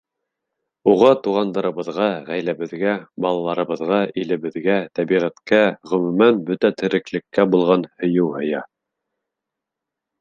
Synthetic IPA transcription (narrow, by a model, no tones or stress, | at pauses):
uʁɑt̪uʁɑnd̪ɤ̆ɾɤ̆βɤ̆ðʁɑʁæjlæβɘ̆ðɡæbɑlˠɑlˠɑɾɤ̆βɤ̆ðʁɑʔilɘ̆βɘ̆ðɡæt̪æbiʁæt̪kæʁɵ̆mʉmænbɵt̪æt̪ʰɘ̆ɾɘ̆klɘ̆kːæbulˠʁɑnhɵ̆jɘwhɤ̆jɑ